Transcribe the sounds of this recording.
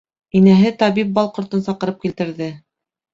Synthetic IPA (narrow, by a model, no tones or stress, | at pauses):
inæɦɘt̪ɑβip̚bɑlˠqŏɾt̪ɤnsɑqɤ̆ɾɤp̚kilt̪ɘ̆ɾðɘ